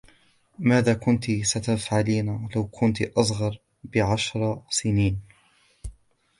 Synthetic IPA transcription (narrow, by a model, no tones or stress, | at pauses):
maːðaːkʊnt̪isat̪afʕaliːnalawkʰʊnt̪ʔɑsˤɣɑɾˤ | bɪʕaʃɾˤɑsɪniːn